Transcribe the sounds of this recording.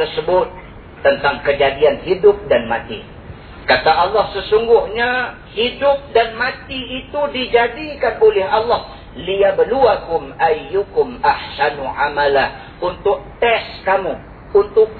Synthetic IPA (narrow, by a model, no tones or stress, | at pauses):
ərsəbʊt̪̚ː | ənt̪aŋkəd͡ʒadianɦidʊp̚danma̰t̪ḭ | kat̪aʔalːɑhsəsuŋɡʊhɲa | hidʊp̚danmãt̪iːt̪udid͡ʒadikanolɛɦɑlːɑh | lijabəluakʊmʔajːukʊmahsanuʕa̰malah | unt̪ʊk̚t̪ɛskamu | unt̪ʊk̚